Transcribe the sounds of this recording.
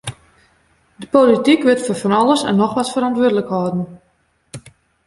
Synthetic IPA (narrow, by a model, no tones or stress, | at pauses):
dəpolitikʋɪtforfɔnɔləsɛ̰nːɔxʋɔtfəɾɔntʋʊədələkhɔdən̩